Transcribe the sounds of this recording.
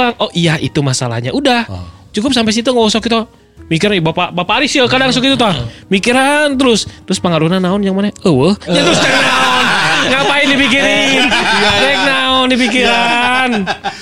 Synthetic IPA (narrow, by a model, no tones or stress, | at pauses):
aŋɔijahḭt̪umasala̰hɲaʔudah | t͡ʃukʊp̚sampɛs̬it̪̬uŋaɔsɔkit̪a | mik̬iɾanbapabapaːɾisəkadaŋs̬ɔkit̪ut̪amikiɾant̪əɾʊst̪əɾʊspəŋaɾunanːaʊnjaŋmanaəwəhɲat̪əɾʊsak̚naɔnŋapaɪndipik̬iɾɪnɾɛk̚naʊndipik̬iɾan